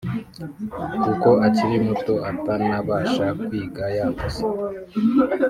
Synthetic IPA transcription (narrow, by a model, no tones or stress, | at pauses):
kuko̞ʔaciɾimutoʔatanaβaːʃakwiːɡajaŋɡusi